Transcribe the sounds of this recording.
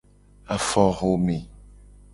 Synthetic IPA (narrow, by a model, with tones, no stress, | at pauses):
a˨fɔ˦ɣo˨˦mi˨